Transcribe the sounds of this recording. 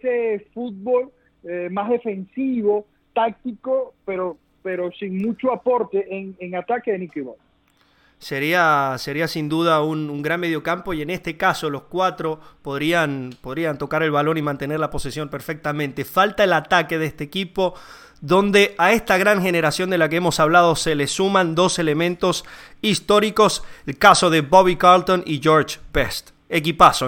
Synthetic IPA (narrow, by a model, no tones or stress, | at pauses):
esefut̪̚bol | emazðefe̞nsiβo̞ | t̪ak̚t̪ikopeɾo | peɾosiŋmut͡ʃoapoɾt̪eʔeŋeŋat̪akeðenikiβo | se̞ɾiase̞ɾiasind̪uð̞aunuŋɡɾanme̞ðjo̞kampoie̞ne̞st̪ekaso̞lo̞skwat̪ɾo̞po̞ðɾianpo̞ð̞ɾiant̪o̞kaɾe̞lβalo̞nimãnt̪e̞neɾlapo̞sesjo̞mpeɾfek̚t̪amẽnt̪e̞falt̪aelat̪ake̞ðest̪eːkipo̞ | ðo̞nd̪e̞ae̞st̪aɣɾaŋxe̞neɾasjo̞nd̪e̞lak̬eemo̞saβlað̞o̞selesumãnd̪o̞se̞le̞mẽ̞nt̪o̞sist̪o̞ɾiko̞selkaso̞ðe̞βoβikaɾlt̪o̞niʝoɾt͡ʃpest̪ | ek̬ipaso